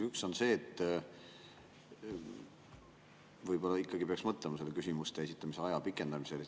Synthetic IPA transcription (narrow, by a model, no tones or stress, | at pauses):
ykso̞nse̞ːt̪ːˑ | vɤjbo̞lːɑikːˑɑɡipeɑksmɤt̪ːˑlemɑse̞lːekysʲimust̪e̞es̬it̪ːˑɑmiseɑjɑpikːˑe̞nd̪ɑmise̞le